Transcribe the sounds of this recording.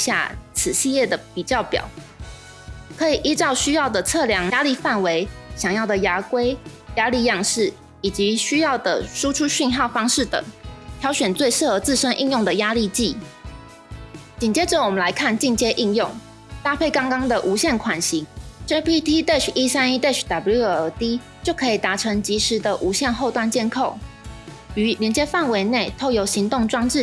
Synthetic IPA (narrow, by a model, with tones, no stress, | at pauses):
ɕja̰˥˩t͡sʰɹ̩˨˩ɕi˥˧jɛ˥˩d̪ə˩pi˨˩t͡ɕjɑ˥˩ʊpjɑ̰˨˩˦ʊ | kʰɤ˧˦˥i˨˩ʔi˥t͡sɑ˥˩ʊɕy˥jɑ˥˩ʊd̪ə˩t͡sʰɤ˥˨˩ljɑ˧˥ŋja˥li˥˧fa˥˩nwe˧˥ɪɕjɑ˨˩ŋjɑ˥˩ʊd̪ə˩ja˧˥kwe˥ɪ | ja˥li˥˧jɑ˥˧ŋʂɻ̩˥˩ | i˨˩t͡ɕi˧˥ɕy˥jɑ˥˩ʊd̪ə˩ʂu˥ʈ͡ʂʰu˥ɕy˥˧nxɑ˥˩ʊfɑ˥ŋʂɻ̩˥˩t̪ə̰˨˩˦ŋt̪ʰjɑ˧˥ʊɕɥɛ˨˩nt͡swe˥˧ɪʂɻ̩˥˩xɤ˧˥t͡sɹ̩˥˧ʂə˥nʔḭ˥˧njʊ˥˩ŋd̪ə˩ja˥li˥˧t͡ɕi˥˩ | t͡ɕi˨˩nt͡ɕjɛ˥ʈ͡ʂə˨˩wɔ˨˩mə˨nla˧˥ɪkʰa˥˨nt͡ɕi˥˨ŋt͡ɕjɛ˥ʔi˥˧njʊ˥˩ŋ | t̪a˥˧pʰe˥˩ɪkɑ˥ŋkɑ˥ŋd̪ə˨ʔu˧˥ɕjɛ˥˩nkʰwa˨˩nɕi˧˥ŋʈ͡ʂe˥pʰi˦˥t̪ʰi˥t̪e˥˩t͡ʃʰi˥sa˥ni˥t̪e˥˩ʂʰd̪a˨˩bu˥ə˧˥t̪i˦˥ | t͡ɕjo˥˩ʊkʰɤ˧˥i˨˩t̪a˧˥ʈ͡ʂʰɤ˧˥ŋt͡ɕi˧˥ʂɻ̩˧˥d̪ə˨ʔu˧˥ɕjɛ˥˧nxo˥˧ʊt̪wa˥˧nt͡ɕjɛ˥˧nkʰo˥˩ʊ | y˧˥ljɛ˧˥nt͡ɕjɛ˥fa˥˨nwe˧˥ɪne˥˩ɪt̪ʰo˥˩ʊjo˧˥ʊɕi˧˥ŋt̪ʊ˥˩ŋʈ͡ʂwɑ˥ŋʈ͡ʂɻ̩˥˨